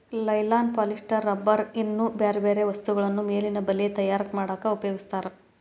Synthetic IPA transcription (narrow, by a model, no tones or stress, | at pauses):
lɐjlaːn̚paːliʂʈɐɾːɐbːɐɾinːubeːɾebeːɾeʋɐst̪uɡɐɭɐnːumeːlinɐbɐlːiet̪ɐjaːɾɐkːmaːɽaːkɐupɐjoːɡist̪aːɾe